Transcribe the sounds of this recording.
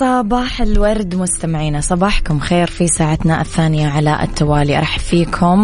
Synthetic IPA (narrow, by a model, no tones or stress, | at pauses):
sˤɑbɑːħɪlwɑɾˤd̪mʊst̪amɪʕiːnasˤɑbɑːħkʊmxeːɾfisaːʕat̪naʔɪθːaːnɪjaʕala̰ʔɪ̰t̪ːawaːliʔɾˤɑːħfiːkʰʊm